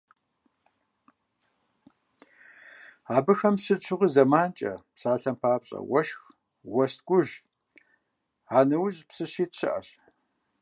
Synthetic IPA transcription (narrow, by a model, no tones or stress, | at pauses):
aːbɨxɐmsɨt͡ʃʷʰʊʁiːzɐmaːnt͡ʃʼɐ̰psaːɬɐmpʰaːpɕʼɐ̰wɐʃx | wɐst̚ɡʷʊʒ | aːnɐwʊʑpsɨɕiːtɕʰɪ̰ʔɐ̰ɕ